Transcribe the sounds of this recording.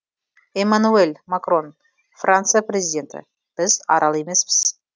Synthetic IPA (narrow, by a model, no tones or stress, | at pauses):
emanuelʲmakro̞n | frant̪sɨjaprʲezʲid̪ʲe̞nt̪ɪ̰ | b̥ɪzɑ̰ɾʔɑlˠeme̞sbɪz̥